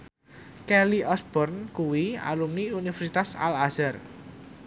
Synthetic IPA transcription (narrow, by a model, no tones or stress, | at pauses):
kɛliʔɔsb̥ɔrnkuwia̰lumniunifɛrsit̪asa̰lazər